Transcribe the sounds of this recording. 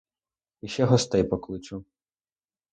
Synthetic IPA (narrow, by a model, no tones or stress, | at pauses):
iʃɛɦɔst̪ɛjpɔklˠɪt͡ʃu